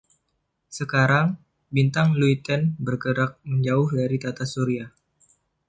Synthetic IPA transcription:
səkaɾaŋ | bint̪aŋluit̪ɛnbərɡəɾak̚məɲd͡ʒaʊhdaɾit̪at̪asuɾia

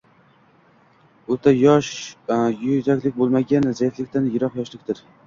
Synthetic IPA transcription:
ɵt̪ʰajɒʃ | jʊzakʲlɪk̚ʲbolˠmaɡʲanzajɪt̪lɪkʲt̪anjɪɾɒqjɒʃlɪkʲt̪ɪɾ

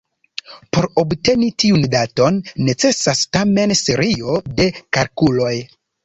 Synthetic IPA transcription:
po̞ɾobte̞nitiundato̞nːe̞t͡se̞sastame̞nse̞ɾio̞de̞kalkulo̞j

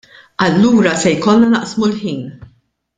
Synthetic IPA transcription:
ɐlːuːɾɐsɛjkɔlːɐnɐʔsmulħiːn

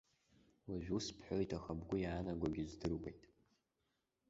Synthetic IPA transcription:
waʒᶣuspʰħojtʰʼaχabɡʷʊjaːnaɡʷaɡʲɪzdɨrwejtʼ

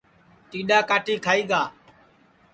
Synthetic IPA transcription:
t̪iːɗaːkaːʈiːkʰaːiːɡaː

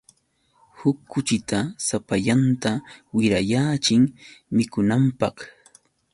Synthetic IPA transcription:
hʊkːʊt͡ʃɪt̪asapaʎant̪awɪɾajaːt͡ʃɪŋmɪkʊnampɑχ

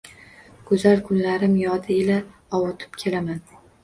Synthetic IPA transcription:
ɡ̥ʰʊzalkʰʊnlaɾɪmjɒd̪ɪela | ɒwʊt̪ʰɪ̥p̚kʲʰe̞laman

